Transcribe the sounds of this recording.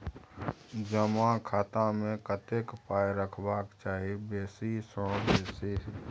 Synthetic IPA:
d͡ʒəmakʰaːt̪amẽkət̪eːkpaːjɾəkʰbaːkt͡ʃaːɦibeːsisə̃beːsiɦ

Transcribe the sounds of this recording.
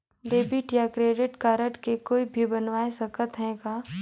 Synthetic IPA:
ɖeːbɪʈjakɾeːɖɪʈkaːɾəʈkekoːibʱibɐnʋaːesɐkət̪ɦɛ̃ːɡaː

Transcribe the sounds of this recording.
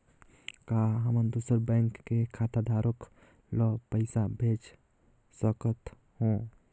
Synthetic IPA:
kaɦəmənd̪uːsəɾbɛ̃ŋkːekʰaːt̪ad̪ʱaːɾok | lɔpəɪsabʱeːd͡ʒ | səkət̪ | hõ

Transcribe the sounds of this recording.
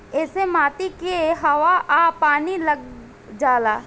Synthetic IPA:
ɛːsemaːt̪ikeɦɐʋaʔaːpaːnilɐɡ̚ | d͡ʒaːlaː

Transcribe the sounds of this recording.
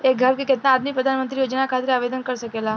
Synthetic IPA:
eːk̚ɡʱɐɾkekɪt̪naːd̪mipɾəd̪ʱanmə̃nt̪ɾijoːd͡ʒnakʰaːt̪ɾaːʋeːd̪ənkəɾsɐkeːla

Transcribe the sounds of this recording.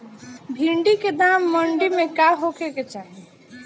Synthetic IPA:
bʱiɳɖiked̪amːəɳɖimekaɦokeket͡ʃaɦi

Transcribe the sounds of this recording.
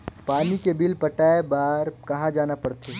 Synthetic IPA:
paːnikebɪlpɐʈaːebaːɾkɐɦãd͡ʒaːnapɐɽt̪ʰeː

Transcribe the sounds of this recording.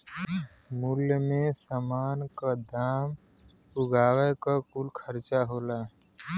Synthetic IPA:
muljəmẽsəmaːnkad̪aːm | ʊɡaːwəjkakulkʰəɾt͡ʃaɦoːlaː

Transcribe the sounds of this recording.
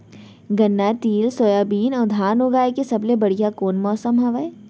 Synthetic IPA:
ɡɐnːat̪iːlsoːjaːbiːnɔːd̪ʱaːnoɡaːekesɐblebɐɽijakoːnmɔːsəmɦaːʋae

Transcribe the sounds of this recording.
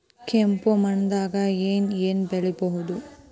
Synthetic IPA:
kempomɐnd̪aːɡɐeːneːnbɛɭɛbɔɦud̪u

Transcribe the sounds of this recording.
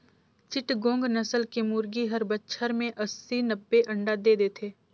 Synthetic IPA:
t͡ʃɪʈɡõːŋɡnəsəlkemuːɾɡiɦəɾbətːʃʰəɾmẽʔɐsːinəbːeʔɐ̃ɳɖad̪eːd̪eːt̪ʰeː

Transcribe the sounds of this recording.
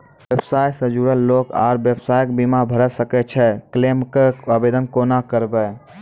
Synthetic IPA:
bebsajsəd͡ʒuɾəlːoka̰ɾbjəbsajkbimabʱəɾɛsəkɛt͡ʃʰɛklemkeəbed̪ənkonakəɾbɛ

